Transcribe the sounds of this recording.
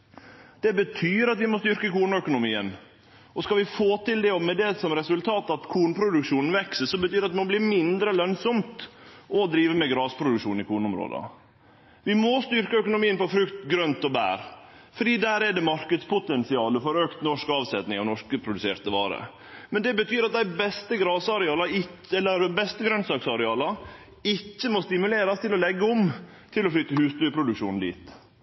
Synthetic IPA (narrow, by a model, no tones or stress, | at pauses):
d̪̥ɛbət̪ʰyːɾɑt̪ʋɪmɔst̪ʏɾkəkuːɳœkʊnʊmiːən | ɔskɑlʋɪfoːt̪ɪld̪ɛɔmɛd̪ɛsɔmɾɛsʉlt̪ʰɑːt̪ɑt̪kʰuːɳpʰɾʊd̪ʉkʂuːnn̩ʋɛksəsɔmbət̪ʰyːɾɑt̪̚ɛmɔblɪːɾmɪnd̪ɾəlœnsɔmt̪ɔd̪ɾiːʋəmɛɡɾɑːspʰɾʊd̪ʉkʂuːnɪkʰuːɳʊmɾo̰ːd̪ə̰ | ʋɪmɔst̪ʏɾkəœkʊnʊmiːənpɔfɾʉkt̪ɡɾœnt̪ɔbæ̰ːɾfɔɖiːd̪æːɾɛɖ̪ɛmɑɾkəd̪spʰʊt̪ɛnsɪɑːləfɔɾøːkt̪nɔʂkɑːʋsɛt̪nɪŋɑʋnɔʂkəpʰɾʊd̪ʉseːɾt̪əʋɑ̰ːɾə̰ | mɛnd̪ɛbət̪ʰyːɾɑt̪̚d̪æɪbɛst̪əɡɾɑːsɑɾɛɑːlɑɪɛlːəɾbɛst̪əɡɾœnsɑksɑɾɛɑːlɑ | ɪcːəmɔst̪ɪmʉleːɾɑst̪ʰɪlɔlɛɡːəɔm | t̪ʰɪlɔflʏt̪ːəhʉːst̪œpʰɾʊd̪ʉkʂuːnn̩d̪ḭːt̪